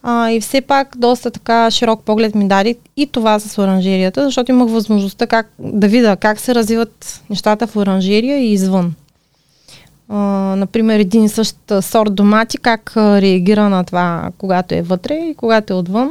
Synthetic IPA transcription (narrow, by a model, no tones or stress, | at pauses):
aifsɛpakd̪ɔst̪ət̪ɐkaʃiɾɔk̚pɔɡlɛt̪mid̪ad̪i | it̪ovasɐsoɾɐnʒɛɾijət̪əzɐʃt̪ɔt̪oiməxvɐzmoʒnost̪akak̚d̪ɐvid̪əkaksɛɾɐzvivɐt̪nɛʃt̪at̪əfoɾɐnʒɛɾijəiːzvɤn | nɐpɾimɛɾɛd̪insɤʃt̪ːsɔɾt̪̚d̪omat̪ikakɾɛɐɡʲiɾənɐt̪ovakoɡat̪oɛ̰vɤt̪ɾɛikoɡat̪oɛot̪vən